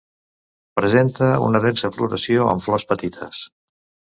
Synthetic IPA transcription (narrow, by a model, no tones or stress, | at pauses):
pɾəzent̪əṵnəðensəfluɾəsioə̰ɱflɔspət̪it̪ʰə̰s